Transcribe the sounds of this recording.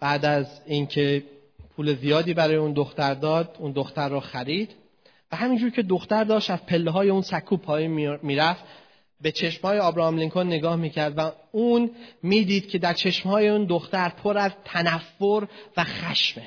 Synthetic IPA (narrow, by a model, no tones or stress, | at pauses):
b̥æːd̪æzincʰe̞ | pʰuːle̞zijɒːd̪iːbæɾɒːjeuːnd̪o̞xt̪æɾd̪ɒːd̪und̪o̞xt̪æɾːɔːxæɾiːd̪̥ | væhæmiːnd͡ʒuːɾcʰe̞d̪o̞xt̪æɾd̪ɒːʃt̪æz̥pʰe̞lːeɦɒːje̞unsækʰuːpʰɒːjiːnmiːɾæft̪ | be̞t͡ʃʰe̞ʃmhɒːjeɒːbɾɒmliŋkʰonːeɡɒːhmiːcʰæɾd̪væuːnmiːd̪iːd̪̥cʲʰe̞d̪æɾt͡ʃʰe̞ʃmhɒːje̞uːnd̪oxt̪æɾpʰoɾæzt̪ʰænæfːoɾvæxæʃme